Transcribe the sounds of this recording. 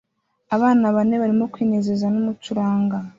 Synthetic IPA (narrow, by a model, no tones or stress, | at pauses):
aβaːnaβane̞βaɾimo̞kwiːne̞ːze̞zanumut͡ʃuɾaːŋɡa